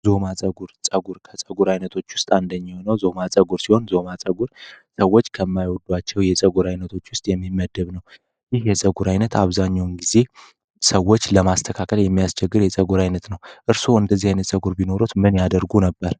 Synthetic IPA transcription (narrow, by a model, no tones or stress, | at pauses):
zo̞mat͡sʼəɡuɾt͡sʼəɡuɾkʰət͡sʼəɡuɾajnət̪ʰo̞t͡ʃːwʊst̪ʼand̪əɲːihonəwzo̞mat͡sʼəɡuɾsiho̞nzo̞mat͡sʼəɡuɾsəwːo̞t͡ʃːkʰəmːajwɔd̪wat͡ʃːɛwjɛt͡sʼəɡuɾajnət̪ʰo̞t͡ʃːwʊst̪ʼjɛmːimːəd̪əβnəw | jɪhjɛsʼəɡuɾajnət̪ʰaβzaɲːawnɡize̞ | səwːo̞t͡ʃːləmast̪ʰəkʰakʰəljɛmːijast͡ʃɛɡːɨɾjɛsʼəɡuɾajnət̪nəwʔɨɾsoɨnd̪əzːihajnət̪sʼəɡuɾbino̞ɾut̪mɨnjad̪əɾɡunəbːəɾ